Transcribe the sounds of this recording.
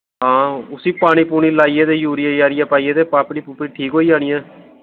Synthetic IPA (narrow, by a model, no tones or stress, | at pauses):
ɦãːʊsiːpaːɽ̃iːpuːɽ̃iːlaːieːt̪eːjuːɾijaːjaːɾijaːpaːiːeːt̪eːpaːpɽiːpʊpɽiːʈʰiːkɦoːiːd͡ʒaːɽ̃iːɛ̃ː